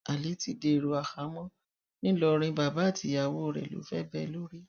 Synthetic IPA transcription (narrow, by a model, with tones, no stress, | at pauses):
a˨li˨˦ti˧˦de˧˨ɾo˧a˨xa˨˦mɔ̃˦ | nĩ˦lɔ˧ɾ̃ĩ˧ba˧˨ba˨˦˨tʰi˨˦a˨wo˦˨ɾɛ̰˨lo̰˨˦fɛ˦bɛ˧lo˦ɾi˦